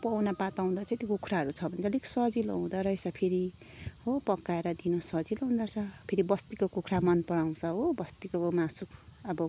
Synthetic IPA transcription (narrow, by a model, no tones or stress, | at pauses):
pʌwnapat̪aw̃d̪ʌt͡sãĩt̪jokukʰraɦʌɾut͡sʰʌbʱʌnet͡sʰʌliksʌd͡zilo̰ɦũd̪ʌɾʌjsʌpʰeɾi | ɦopʌkːaeɾʌd̪inosʌd͡ziloɦũnd̪ʌt͡sʰʌpʰeɾibʌst̪ikokukʰɾamʌnpʌɽaw̃t͡sʰʌɦobʌst̪ikomasukʰ | ʌbʌ